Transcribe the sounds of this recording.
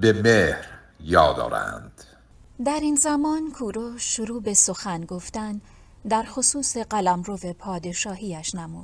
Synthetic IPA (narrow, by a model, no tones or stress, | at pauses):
bemehɾ | jɒːd̪ɒ̰ːɾæ̰nd̪̥ | d̪æɾinzæmɒːnkʰuːɾoʃoɾuːbe̞so̞xænɡo̞ft̪æn | d̪æɾxosuːse̞ɢælæmɾove̞pʰɒːd̪e̞ʃɒːɦiːæʃnæmṵːd̪̥